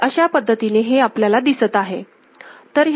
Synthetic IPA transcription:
əɕapəd̪ʱːət̪ineɦeapljalad̪isət̪aɦe | t̪əɾɦj

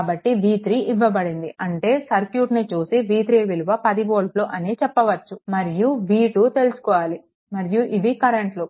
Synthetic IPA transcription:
bɐʈːiʋiːt̪ɾiʔiʋːɐbɐɽind̪iʔɐɳʈe̞ːsɐɾkjuːʈnit͡ʃuːsiʋiːt̪ɾiːʋiluʋɐpɐd̪iboːlʈloːʔɐneːt͡ʃɛpːɐʋɐt͡ʃːumɐɾijuʋiːʈut̪e̞lusu̥kɔːʋaːli | mɐɾijuʔiʋikɐɾeɳʈloː

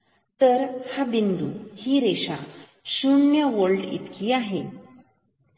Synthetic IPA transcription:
t̪əɾhabind̪uhiɾeɕa̰ | ɕuɳːjəʋəɭʈḭt̪kiːaɦe

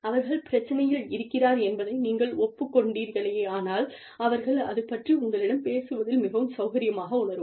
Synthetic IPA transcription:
ɐʋɐɾɣɐɭpɪɾɐt͡ʃːɐnɐjɪlɪɾɯkːɪɾaːɾɛnbɐðɐɪniːŋɡɐɭɔpːɯkːɔɳɖiːɾɣɐɭɐjeːaːnaːl | ɐʋɐɾɣɐɭɐ̰ðɯpːɐʈriʊŋɡɐɭɪɽɐmpeːsɯʋɐðɪlmɪɣɐʋɯmsɐʊɣɐɾɪjɐmaːɣɐʊɳɐɾɯ

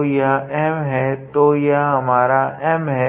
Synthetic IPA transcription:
jaɛɦmɦɛt̪ojaɦɐmaːɾaʔɛɦmɦɛ

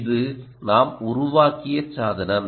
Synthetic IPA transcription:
ðɯ | naːmʊɾʊʋaːkɪjɐt͡ʃsaːðɐnɐn

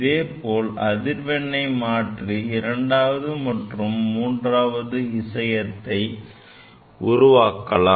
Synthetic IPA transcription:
ɪðeːpoːlɐðɪɾʋɛɳːɐɪmaːʈriɪɾɐɳɖaːʋɐðɯmɐʈrɯmːuːndraːʋɐðɯɪsɐjɐt̪ːɐɪ | ʊɾʊʋaːkːɐlaː

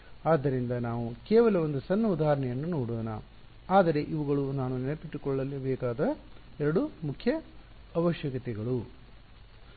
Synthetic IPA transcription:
aːd̪ːɐɾind̪ɐnaːʋukeːʋɐlɐʋond̪usɐnːɐud̪aːɾɐɳɛjɐnːunoːɽoːnɐ̰ | aːd̪ɐɾe̞ʔiʋuɡɐɭunaːnunɛnepiʈːukɔɭːɐlebɛːkaːd̪ɐ | ɛɾɐɽumukʰjɐ | ɐʋɐʃjɐkɐt̪ɛɡɐɭu

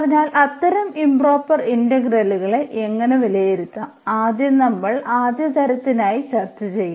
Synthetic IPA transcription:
ɐrɐɲːaːlʔɐt̪ːɐɾɐmimbro̞ːpːɐriɳdɐɡrɐluɣɐɭe̞ʔeŋːɐneʋilɐjiɾut̪ːa | aːd̪jɐnɐmːɐɭaːd̪jɐt̪ɐɾɐt̪ːinaːjiɕɐrt͡ɕːɐt͡ɕe̞jːu

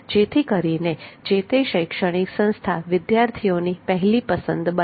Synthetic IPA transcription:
d͡ʒet̪ʰikəɾined͡ʒet̪eʃəjkʃəɽ̃iksə̃ñst̪ʰaʋɪd̪jaɾt̪ʰijonipəɦɛlipəsənd̪bə

